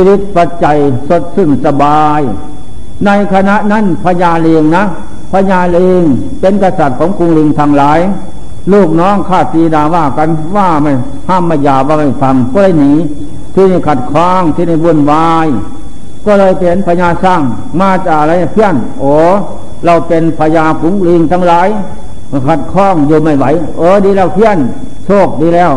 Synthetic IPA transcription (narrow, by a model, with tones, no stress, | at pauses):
si˧li˧˥t̪̚pa˧t̪̚t͡ɕa˨j | so˧˦t̪̚sɯ˧˩˨ŋsa˧baː˧j | na˧jkʰa˧na˧ʔna˧˥˨npʰa˧ɲaː˧˩le˧ŋna˧˥˨ | pʰa˧ɲaː˧˩le˧ŋ | pe˧˨nka˧sa˧˩t̪̚kʰɔː˨˦ŋku˧˨ŋli˧ŋt̪ʰa˧ŋlaː˨˦j | luː˧˩k̚nɔː˧˥˨ŋkʰaː˧˩t̪̚siː˧˨daː˨˧ʋaː˧˩ka˧˨n | ʋaː˧˩ma˧˩ | haː˧˥˨mːaː˧˩jaː˨˩ʋaː˧ma˧˩jfa˧˦ŋkɔː˧lɤː˧˨jniː˨˦ | t̪ʰiː˧da˧˩jkʰa˧˩t̪̚kʰɔː˧˩ŋt̪ʰi˧na˧˩jbu˧˩˨nwaː˧j | kɔː˧˨lɤː˧˨jpe˨npʰaː˧ɲaː˧sa˧˩ŋ | maː˧t͡ɕa˧˩a˧la˧˦ja˧˩pʰi˧˥˨ən | ʔɔː˨˧˦ | la˧˩wpe˨npʰaː˧ɲaː˧ku˨˦ŋli˧ŋt̪ʰaː˧ŋlaː˨˦j | kʰa˧˩t̪̚kʰɔː˧˥˩ŋjuː˧ma˧˩jwa˨˧˦j | ʔɤː˧˦diː˧lɛː˧˩wpʰi˧˥˨ə˨n | soː˧˩k̚diː˧lɛː˧˩˨w